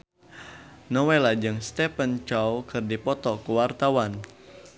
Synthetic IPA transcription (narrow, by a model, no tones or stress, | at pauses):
nɔwelad͡ʒɨŋst̪ɛpənt͡ʃɔwkɨrdipɔt̪ɔkuwart̪awan